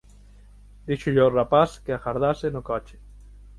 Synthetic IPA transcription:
d̪iʃuʎorapaskeaxaɾðasenʊkɔt͡ʃe̥

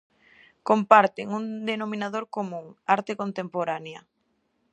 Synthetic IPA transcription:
kompaɾt̪eŋund̪enomĩnaðoɾkomũŋaɾt̪ekont̪empoɾaneɐ

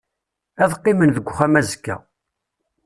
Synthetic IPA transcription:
æðqːimənðəɡʷːχæmæzəkːæ̰

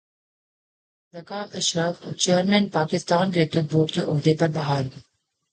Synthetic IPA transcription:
ɾɐkaːmɐʃɾaft͡ʃeːɾmɛ̃ːnpaːkɪst̪aːnɡɾeːt̪ɪʈ̚boːʈ̚keʔɔɦd̪epɐɾbɐɦaːɾ

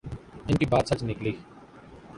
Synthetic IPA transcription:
ɪnʈiːbaːt̪sət͡ʃnɪkliː

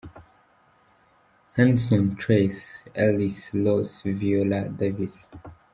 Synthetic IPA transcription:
hɛ̃nsɔ̃ntʰɹesɛlislɔsvioladevis

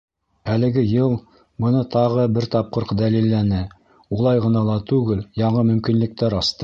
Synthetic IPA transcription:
ælɘ̆ɡɘjɤlˠ | bɤ̆nɤt̪ʰɑʁɤbɘɾt̪ɑp̚qɤɾqd̪ælilːænɘ | ulˠɑjʁɤ̆nɑlˠɑt̪ʉɡɘljɑɴɤmɵ̆mkinlɘ̆k̚t̪æɾɑst̪ɤ

